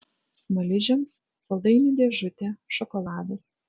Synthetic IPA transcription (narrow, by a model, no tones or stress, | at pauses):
smɐlʲɪʒʲɛms | sɐlˠd̪ɐɪnʲiːd̪ʲeɛʒʊt̪ʲɛʃɔkɔlˠɑːd̪ɐs